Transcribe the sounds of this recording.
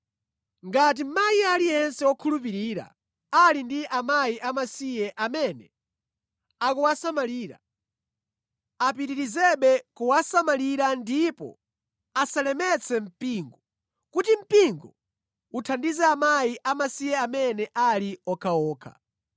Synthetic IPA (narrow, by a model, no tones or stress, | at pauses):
ŋɡat̬im̩majialijɛnsɛwɔkʰulup̬iɾiːɾa̰ | alindiʔamajiʔamasijɛʔamɛnɛ | akuwasamaliːɾa̰ | apiɾiɾizɛɓɛkuwasamaliɾandipɔ̰ | asalɛmɛt͡sʰɛm̩piːŋɡɔ | kutim̩piŋɡɔ | utʰandizɛamajiʔamasijɛamɛnɛʔaliɔkʰaɔːkʰa̰